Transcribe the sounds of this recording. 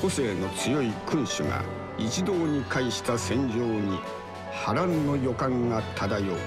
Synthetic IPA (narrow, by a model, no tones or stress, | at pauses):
ko̞se̞ːno̞t͡sɨjo̞ikɯ̃ɰ̃ɕɨɡa̰ | it͡ɕid̪o̞ːɲ̟ikaiɕi̥t̪asẽ̞ɲ̟d͡ʑo̞ːɲ̟i | haɾãnːo̞jo̞kãŋɡat̪ʰad̪ajo̞ː